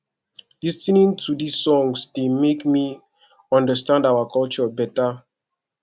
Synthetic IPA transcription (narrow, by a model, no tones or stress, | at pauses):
listinĩŋtʰudisːɔ̃ŋsdemekmi | ɔ̃ndəstãndawakʰɔlt͡ʃɔbɛta